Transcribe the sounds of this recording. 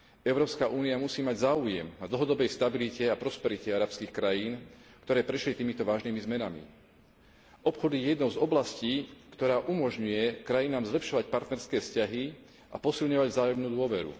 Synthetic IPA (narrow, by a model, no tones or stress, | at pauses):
ɛʊɾɔːpskaʔuːniamusiːmaɟzaːujɛmnad̪l̩ˠɦɔd̪ɔbɛjst̪abilicɛapɾɔspɛɾicɛaɾapskiːxkɾajiːnkt̪ɔɾɛːpɾɛʃlit̪iːmit̪ɔʋaːʒniːmizmɛnamḭ | ʔɔpxɔd̪iɛjɛd̪nɔʊzɔblasciːkt̪ɔɾaːʔumɔʒɲujɛkɾajinaːmzlɛpʃɔʋacpaɾt̪nɛɾskɛːfscaɦi | ʔapɔsilɲɔʋaɟzaːjɔmnuːd̪ʊɔʋɛɾṵ